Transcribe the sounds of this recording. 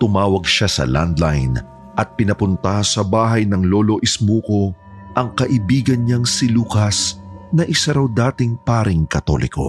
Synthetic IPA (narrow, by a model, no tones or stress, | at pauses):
t̪ʊmaːwɐɡ̚ʃasɐ̰la̰nd̪lajn | ʔɐt̪̚pɪnɐpʊnt̪ɐsɐbaːɦɐjnɐŋlo̞ːlo̞ʔɪsmuːko̞ | ʔɐŋkɐʔɪbiːɡɐnɲɐŋsɪluːkɐsnɐʔɪsaɾɐwd̪aːt̪ɪŋpaːɾɪŋkɐt̪o̞̰lʔɪ̰ko̞̰